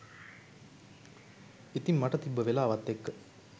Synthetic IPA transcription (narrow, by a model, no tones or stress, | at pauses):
it̪imːaʈət̪ibːəʋelaːʋat̪ːekːə